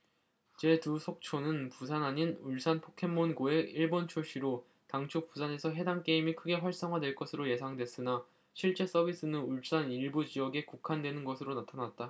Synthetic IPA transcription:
t͡ɕe̞tusʰok̚t͡ɕʰonɯnpusʰanɦaɲinuɭs͈ʰanpʰokʰe̞mːonɡoe̞iɭbont͡ɕʰoɕ͈iɾo | taŋt͡ɕʰop͈usʰane̞sʰʌɦe̞daŋk͈e̞imikʰɯɡe̞ɸwaɭs͈ʌŋɦadwe̞ɭk͈ʌsʰɯɾoje̞sʰaŋdwe̞s͈ɯna | ɕʰiɭt͡ɕ͈e̞s͈ʌbis͈ɯnɯnuɭs͈aniɭbud͡ʑijʌɡe̞kukʰandwe̞nɯnɡʌsʰɯɾonatʰanat̚t͈a

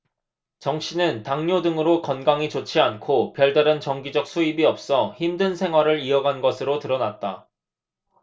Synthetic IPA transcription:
t͡ɕʌŋɕʰinɯntaŋɲodɯŋɯɾokʌnɡaŋit͡ɕot͡ɕʰiankʰopjʌɭdaɾɯnt͡ɕʌŋɡid͡ʑʌk̚s͈ʰuibiʌp̚s͈ʌçimdɯnsʰe̞ŋɦwaɾɯɾiʌɡanɡʌsʰɯɾotɯɾʌnat̚t͈a

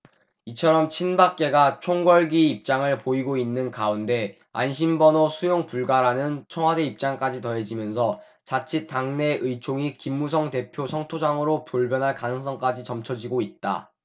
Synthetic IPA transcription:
it͡ɕʰʌɾʌmt͡ɕʰinbak͈̚e̞ɡat͡ɕʰoŋɡʌɭɡiːp̚t͡ɕ͈aŋɯɭpoiɡoinːɯnkaunde̞ | a̰nɕʰimbʌnosʰujoŋpuɭɡaɾanɯnt͡ɕʰʌŋɦwade̞ip̚t͡ɕ͈aŋk͈ad͡ʑitʌed͡ʑimjʌnsʰʌ | t͡ɕat͡ɕʰit͈aŋne̞ʔɯt͡ɕʰoŋikimːus̬ʰʌŋte̞pʰjosʰʌŋtʰod͡ʑaŋɯɾopoɭbjʌnɦaɭkanɯŋsʰʌŋk͈ad͡ʑit͡ɕʌmt͡ɕʰʌd͡ʑiɡoit̚t͈a̰

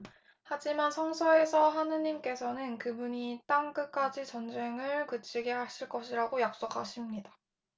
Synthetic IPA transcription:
had͡ʑimansʰʌŋsʰʌe̞sʰʌɦanɯɲimk͈e̞sʰʌnɯnkɯbuɲit͈aŋk͈ɯk͈ad͡ʑit͡ɕʌnd͡ʑe̞ŋɯɭkɯt͡ɕʰiɡeɦaɕʰiɭk͈ʌɕʰiɾaɡojak̚s͈okʰaɕʰimɲida

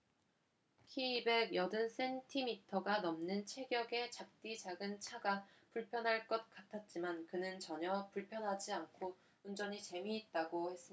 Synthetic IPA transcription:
kʰiːbe̞ɡjʌdɯns͈ʰe̞ntʰimitʰʌɡanʌmnɯnt͡ɕʰe̞ɡjʌɡe̞t͡ɕap̚t͈it͡ɕaɡɯnt͡ɕʰaɡa | puɭpʰjʌnɦaɭk͈ʌt̚k͈atʰat̚t͡ɕ͈imankɯnɯnt͡ɕʌɲʌpuɭpʰjʌnɦad͡ʑiankʰo | und͡ʑʌɲit͡ɕe̞miːt̚t͈aɡohe̞s͈ɯmia

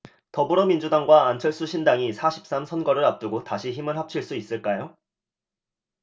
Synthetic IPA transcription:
tʌbuɾʌmind͡ʑudaŋɡwaːnt͡ɕʰʌɭs͈uɕʰindaŋisʰaɕʰi̥p̚s͈amsʰʌnɡʌɾɯɾap̚t͈uɡotaɕʰiçimɯɭhap̚t͡ɕʰiɭs͈uis͈ɯɭk͈ajo

